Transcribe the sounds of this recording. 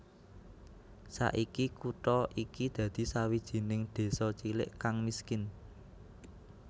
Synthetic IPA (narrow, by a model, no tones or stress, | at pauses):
sa̰ʔikikuʈɔʔikid̪̥ä̤d̪̥i̤sawid̥ʒ̥i̤nɪŋd̪̥e̤sɔt͡ʃilɪ̰ʔkaŋmiskɪn